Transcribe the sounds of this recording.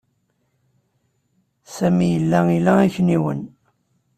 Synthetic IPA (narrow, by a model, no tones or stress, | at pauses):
sæmijəlːæilææçniwən